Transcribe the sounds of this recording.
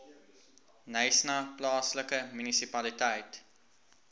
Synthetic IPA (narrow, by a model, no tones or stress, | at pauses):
nəjsnɐplɑːsləkəmynisipɐlitəjt